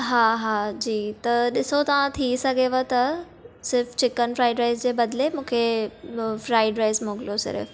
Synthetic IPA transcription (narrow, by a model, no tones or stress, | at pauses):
ɦaːɦaːd͡ʑiːt̪ɐɗɪsot̪ɐʋãt̪ʰisɐɡʱeʋət̪ɐ | sɪɾft͡ɕɪkənɪ̆fɾaːɪɖɾeːs̬d͡ʑeːbɐd̪ɪlemũːkʰe | fɾaːɪɖɾeːsmoːɡɪlosɪ̰ɾ̰f